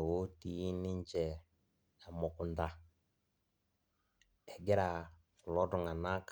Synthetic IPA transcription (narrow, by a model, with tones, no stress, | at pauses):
wo˦ti˨ji˦ni˦ɲt͡ʃɛ˨ | a˨mɔ˨ku˨nda˨ | ɛ˨ɡɛ˦ɾa˨ | lɔ˦dɔ˨ŋa˨na˦k